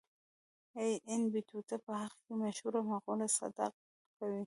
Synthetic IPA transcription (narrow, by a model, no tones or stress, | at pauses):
ejʔɪnbit̪ut̪apəɦaxkemaʃhuɾamaɣolasa̰d̪a̰q̚ | kawi